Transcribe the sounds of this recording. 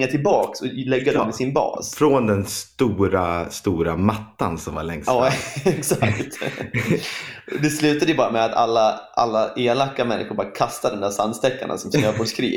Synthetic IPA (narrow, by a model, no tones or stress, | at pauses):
ŋːaʈʰɪlbɑːksɔlɛɡːad̪ɔmɪsɪnbɑ̰ːsfɾɔnd̪ɛnst̪uːɾast̪uːɾamat̪ːa̰nsɔmva̰ɭɛŋsɑːɛksakt̪ | d̪ɛslʉ̟ːt̪ad̪əjəbɑːɾamɛat̪a̰lːaʔa̰lːaʔeːlakːamɛnːɪ̰xʊɾbɑːɾakʰast̪ad̪ɔmnd̪æːsanst̪ɛkːa̰ɳa̰sɔmsøːbɔɖʂkʰɾḭː